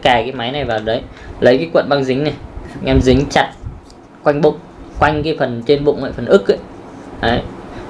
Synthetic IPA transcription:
kaː˧˩kaː˨˦jma˨˦jna˨˩jvaː˨˩ɗə˨˦jlə˨˦jkaː˨˦kwə̰˧˨nɓaː˧ŋzï˨˦ŋ̟na˨˩jŋʔɛ˧mzï˨˦ŋ̟t͡ɕa˨˩t̚ | kwa˧jŋ̟ɓʊ̰˧˨ŋ͡m | kwa˧jŋ̟kaː˨˦jfə˨˩nt͡ɕe˧nɓʊ̰˧˨ŋ͡mŋwa̰ː˧˨˩fə˨˩nʔɨ˦˥k̚ʔə̰˧˨jʔə˨˦j

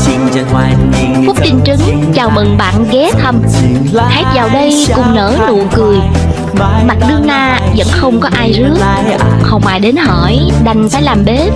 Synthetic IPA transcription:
fʊ˦˥k͡p̚t̪i˧ŋt͡ɕɨ˨˦ŋ | t͡ɕaː˨˩wmə˨˩ŋɓa̰ː˧˨nɣɛ˨˦t̪ʰə˧m | hɛː˦˥t̚zaː˨˩wɗə˧j | kʊ˨˩ŋ͡mnə̰ː˧˥nṵ˧˨kɨ˨˩əj | ma˨˩t̚ɗɨ˧əŋlaː˧ | zə̰˧˥nxə˧wŋ͡mkɔ˨˦ʔaː˧jzɨ˨˦˥ək̚xə˨˧wŋ͡mma̰ː˧˨jɗe˨˦nɦɔ˧˩jɗa˨˩jŋ̟faː˧˦jlaː˨˩mɓe˨˦

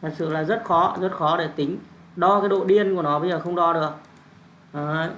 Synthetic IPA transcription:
t̪ʰə˨˩t̚sɨ̰˧˨laː˨˩zə˦˥t̚xɔ˨˦zə˦˥t̚xɔ˨˦ɗe˧˩t̪ï˨˦ŋ̟ | ɗɔ˧kaː˨˦jɗo̰˧˨ɗi˧ənku˧˩ənɔ˨˦ɓə˧jzəː˨˩xə˧wŋ͡mɗɔ˧ɗɨ˨˩ək̚ | ʔəː˨˦

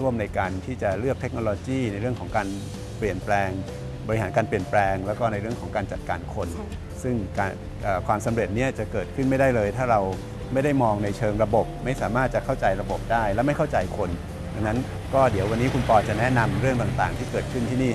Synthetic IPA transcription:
ɾu˥˩əmna˧jkaː˧nt̪ʰiː˥˩t͡ɕa˨˩ɾɯ˥˩ək̚t̪ʰe˦˥k̚noː˧loː˧kiː˥˩na˧jɾɯ˥˩əŋkʰɔː˩˦ŋkaː˧n | pli˨˩ənplɛː˧ŋ | bɔ˧ɾi˥haː˩˦nkaː˧npli˨˩ənplɛː˧ŋlɛː˦˥wkɔː˥˩na˧jɾɯ˥˩əkʰɔː˩˦ŋkaː˧nt͡ɕa˨˩t̪̚kaː˧nkʰo˧n | sɯ˥˩ŋkaː˧ | ʔaː˨˩kʰwaː˧msa˩˦mɾe˨˩t̪̚ni˦˥˩ɐt͡ɕa˨˩kɤː˨˩t̪̚kʰɯ˥˩nma˥˩jda˥˩jlɤː˧jt̪ʰaː˥˩ɾa˧w | ma˥˩jda˥˩jmɔː˧ŋna˧jt͡ɕʰɤː˧ŋɾa˧bo˨˩p̚ma˥˩jsaː˩˦maː˥˩t̪̚t͡ɕa˨˩kʰa˥˩wt͡ɕa˧jɾa˧bo˨˩p̚daː˥˩jlɛː˦˥ma˥˩jkʰa˥˩wt͡ɕa˧jkʰo˧n | da˧ŋna˦˥n | kɔː˥˩di˩˦əwa˧nːiː˦˥kʰu˧npɔː˧t͡ɕa˨˩nɛ˦˥na˧mɾɯ˥˩əŋt̪a˨˩ŋt̪aː˨˩ŋt̪ʰiː˥˩kɤː˨˩kʰɯ˥˩nt̪ʰi˥˩niː˥˩

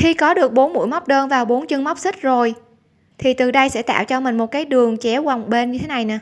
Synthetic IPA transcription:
xi˧kɔ˨˦ɗɨ˨˩ək̚ɓo˨˦nmṵ˧əjma˦˥wk͡p̚ɗəː˧nvaː˨˩wɓo˨˦nt͡ɕɨ˧ŋma˦˥wk͡p̚sï˦˥k̟̚zo˨˩j | t̪ʰi˨˩t̪ɨ˨˩ɗə˧jsɛ̰˧˥t̪a̰ː˧˨wt͡ɕɔ˧mï˨˩ŋ̟mo˨˩t̚kaː˨˦jɗɨ˨˩əŋt͡ɕɛ˨˦ɣa˨˩wŋ͡mɓe˧nɲɨ˧t̪ʰe˨˦na˨˩jna̰ː˧˦

